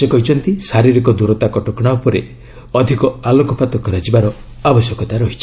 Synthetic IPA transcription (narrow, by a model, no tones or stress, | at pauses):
sekɔɦit͡ʃʰɔnt̪isaɾiɾikɔd̪uɾɔt̪akɔʈɔkɽ̃aupɔɾe | ɔd̪ʱikɔalokɔpat̪ɔkɔɾad͡ʒibaɾɔ | abɔsjɔkɔt̪aɾɔɦit͡ʃʰi̥